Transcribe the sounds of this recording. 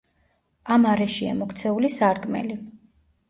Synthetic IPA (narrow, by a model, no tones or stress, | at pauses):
amaɾɛʃia̰mɔkʰt̪sʰɛulisaɾɡmɛ̰li